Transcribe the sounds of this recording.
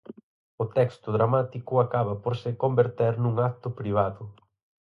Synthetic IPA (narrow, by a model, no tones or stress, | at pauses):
ʊt̪ɛkst̪ʊðɾamat̪ikʊakaβɐpoɾsɪkombeɾt̪ɛɾnũŋak̚t̪ʊpɾiβ̞aðʊ